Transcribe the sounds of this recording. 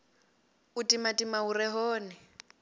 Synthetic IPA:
utʼimatʼimaurɛɦɔːnɛ

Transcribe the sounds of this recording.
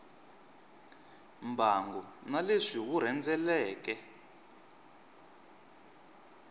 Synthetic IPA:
mbʱaŋɡunaleʂiwuɾ̤ɛnd͡zɛlɛːkɛ

